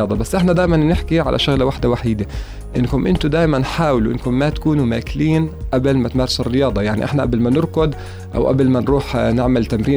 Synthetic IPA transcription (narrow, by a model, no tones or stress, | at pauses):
ɑːd̪ˤɑbasːʔɪħnad̪aːmanːɪħkiʕa̰lʔa̰ʃʊɣlawaħd̪awaħiːd̪a | ʔɪnːkʊmʔɪnt̪ʊd̪aːjmanħaːwɪluʔɪ̰nkʊmːat̪ḁkuːnumaːkɪliːnʔablmat̪mɑːɾˤɪsɪrːɪjɑːd̪ˤɑjaʕnḭʔɪ̰ħnaʔablmanɪɾkʊd̪ | ʔa̰wʔa̰blmanɾuːħnɪʕmɪlt̪amɾiː